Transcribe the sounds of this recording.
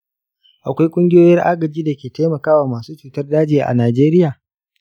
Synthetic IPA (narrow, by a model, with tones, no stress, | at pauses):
ʔa˨kʷa˦jkʷʼʊ˦ŋɡʲɪ˦joː˦jɐ˦rʔaː˦ɡɐ˨d͡ʒiː˦da˨kʲeː˨ta˦mɐ˨kaː˦waː˨maː˨suː˦t͡ʃuː˨tɐ˦rdaː˦d͡ʒeː˨ʔa̰˨naː˨d͡ʒeː˦ɾɪ˦jaː˨